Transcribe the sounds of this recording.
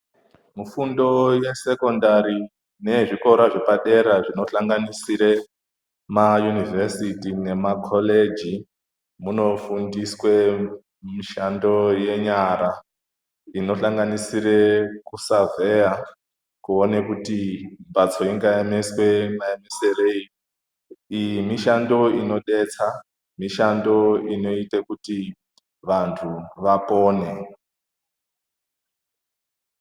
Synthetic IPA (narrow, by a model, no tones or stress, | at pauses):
mufundo̞je̞se̞ko̞ndaɾi | ne̞ʐiko̞ɾaʐe̞paɗe̞ɾaʐino̞ɬaŋɡanisiɾe̞ | majunivʱesitine̞makʰole̞d͡ʒi | muno̞fundiswe | miʃando̞je̞ɲaɾa | ino̞ɬaŋɡanisiɾe̞kusave̞ja | kuonekutimbat͡so̞iŋɡaemeswemaemeserei | ijimiʃando̞ino̞ɗe̞t͡sa | miʃando̞ino̞itekuti | ʋantʰuʋapo̞ːne̞